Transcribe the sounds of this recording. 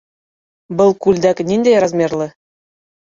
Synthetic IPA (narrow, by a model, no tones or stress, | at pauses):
bɤ̆lˠkulʲd̪æknʲind̪ejɑɾɑzmʲerlʲɘ̆